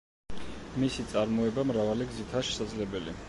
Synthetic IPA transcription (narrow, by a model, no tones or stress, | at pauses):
misit̪sʼaɾmɔɛbamɾavaliɡzit̪ʰaʃɛ̥sad̪zlɛbɛlḭ